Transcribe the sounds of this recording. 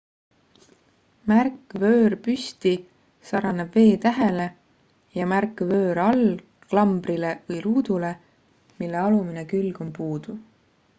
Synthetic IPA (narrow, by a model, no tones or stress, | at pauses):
mærkːˑvø̞ːrpyst̪i | sɑɾɑnebve̞ːt̪æɦe̞le̞ | jɑmærkvø̞ːɾɑl | klɑmb̥ɾile̞vɯjɾuːd̪̥ule̞ | milːe̞ɑluminekylɡ̥o̞mpuːd̪̥u